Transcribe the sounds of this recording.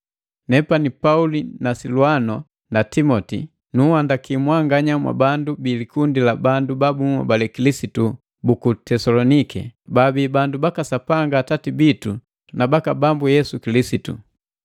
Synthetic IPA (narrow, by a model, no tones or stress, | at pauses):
nɛpanipaulinasiluanɔ | natimɔtḭ | nuhandakimwaŋɡaɲamwa̰bandubiːlikundilabandubabuma̰balɛkilisitu | bukutɛsalɔnikɛ̰babibandubakasapaŋɡaːtatibitu | nabakabambujɛsukilisitṵ